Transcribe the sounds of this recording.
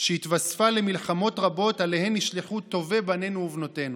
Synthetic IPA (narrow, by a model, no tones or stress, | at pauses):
ʃeit̪vasfale̞milχamo̞tʁabo̞tale̞he̞miʃliχut̪ːo̞vebane̞nuuvno̞te̞nu